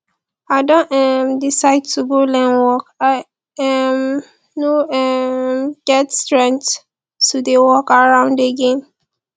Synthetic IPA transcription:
aɪdɔ̃nɛmdisaɪd̚tʰuɡolɛ̃nwɔkaɪ | ɛm | noɛmɡ̥ɛtstɹɛ̃ŋk̚t | tːudewɔkaɹãʊ̃ndeɡẽm

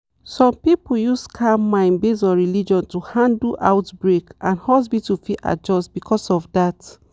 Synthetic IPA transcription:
sɔ̃mpipjuskʰamãɪ̃nbesɔ̃ɹilid͡ʒɔ̃ntuhãndlʔa̰ʊtbɹekʔãnhɔs̬bitufiʔa̰d͡ʒɔstbikʰɔsɔvdat

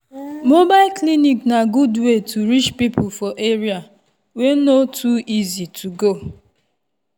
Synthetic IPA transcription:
mobaɪlkliniknaɡudwetʰuɾit͡ʃpipʰʊfɔʔeɾia | wenotʰuizitʰuɡo

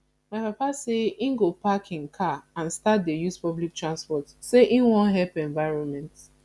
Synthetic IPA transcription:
maɪpapaseĩŋɡopakʰĩnkʰaãnstat̚dejuspɔblik̚tʰɹãnspɔtseʔĩnwɔ̃nɦɛlpɛ̃ɱvaɪɹɔ̃nmɛ̃nt

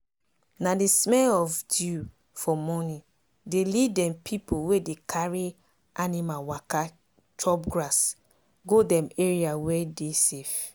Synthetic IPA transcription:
nadismɛlɔvdu | fɔmɔni | delidɛ̃mpʰipʰowedekʰaɹi | ʔanimawaka | tʰɔbɡɹas | ɡodɛ̃meɹiawɛdesef

